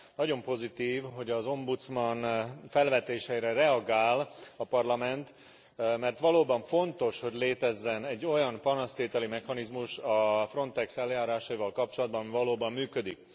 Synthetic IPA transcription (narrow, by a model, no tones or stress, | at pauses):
nɒɟo̞mpo̞zit̪iːvɦo̞ɟɒzo̞mbut̪smɒnfɛlvɛt̪eːʃɛiɾɛrɛɒɡaːlɒpɒrlɒmɛnt̪ | mɛrt̪ʋɒloːbɒɱfo̞nt̪o̞ʃho̞ɟleːt̪ɛzːɛnɛɟːo̞jɒnpɒnɒst̪eːt̪ɛlimɛxɒnizmuʃɒfro̞nt̪ɛksɛljaːɾaːʃɒivɒlkɒp̚t͡ʃolɒd̪̚bɒɱvɒloːbɒmːyːkød̪ik̚